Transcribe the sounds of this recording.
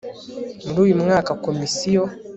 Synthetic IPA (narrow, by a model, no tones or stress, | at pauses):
m̩duim̩ŋakakɔmisiɔ